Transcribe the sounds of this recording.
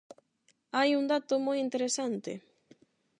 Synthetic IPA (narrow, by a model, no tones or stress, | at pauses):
ajund̪at̪omojint̪eɾesant̪ḛ